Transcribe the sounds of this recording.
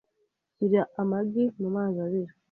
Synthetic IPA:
siɾiaʔamaɡimumaːzaβiɾi

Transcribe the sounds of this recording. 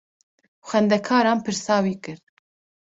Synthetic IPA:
xɛnd̪ɛkʰɑːɾɑːnpʰɨɾsɑːwiːkɨɾ

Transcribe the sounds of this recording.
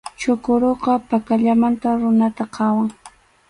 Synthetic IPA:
t͡ʃʊkʊɾoqɑpakaʎamant̪aɾʊnat̪aqʰɑwaŋ

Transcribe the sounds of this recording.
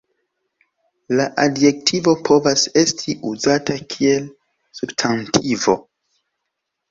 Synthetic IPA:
laʔadje̞k̚tʰivo̞pʰo̞vase̞stʰiʔuzatakʰie̞l | substʰantʰivo̞

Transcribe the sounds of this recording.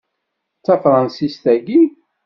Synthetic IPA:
t͡sːæfɾˤɑnsist̪æɡi

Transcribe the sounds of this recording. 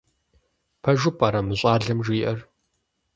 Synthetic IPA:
pʰɐʒʊpʼaːɾɐmɨɕʼaːɮɐmʒiːʔɐr

